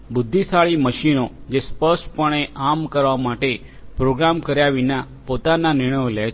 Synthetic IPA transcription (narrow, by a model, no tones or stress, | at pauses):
bʊd̪ʱːisaɭiməʃinod͡ʒespəɾʃʈpəɽ̃eʔamkəɾʋamaʈe | pɾoɡɾamkəɾjaʋina | pot̪ananɪɾɽ̃əjolɛ